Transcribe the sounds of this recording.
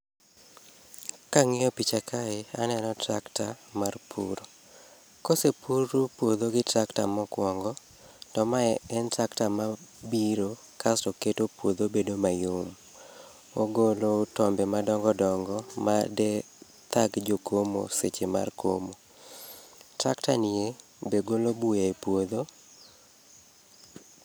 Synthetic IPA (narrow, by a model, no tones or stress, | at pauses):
kaŋɪɔpit͡ʃakʰaeanɛnɔtɾaktamarpʰuɾo | kosepuɾopwod̪oɡɪtɾaktamɔkwɔŋɡɔ | tɔmaɛɛntɾaktamabiɾo | kastɔketopwod̪obedomajom | oɡolotɔmbɛmadɔŋɡɔdɔŋɡɔma̰dɛ | t̪aɡd͡ʒokʰomo̰set͡ʃema̰rko̰mo | tɾaktanie | beɡolobujaepwod̪o